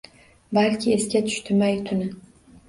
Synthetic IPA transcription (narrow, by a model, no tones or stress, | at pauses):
balkʲʰɪe̞skʲat̪ʰʊ̥ʃt̪ʰɪmajt̪ʰʊnɪ